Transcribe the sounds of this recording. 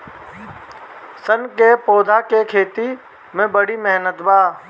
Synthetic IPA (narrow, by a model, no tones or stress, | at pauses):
sənkepoːd̪ʱakekʰeːt̪i | mẽbəɽimɛɦnət̪baː